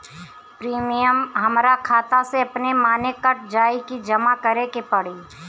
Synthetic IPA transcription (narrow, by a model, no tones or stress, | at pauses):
pɾiːmijəmɦɐmɾakʰaːt̪aseɐpnemaːnekɐʈ̚ʰd͡ʒaːikid͡ʒɐmakɐɾekepɐɽiː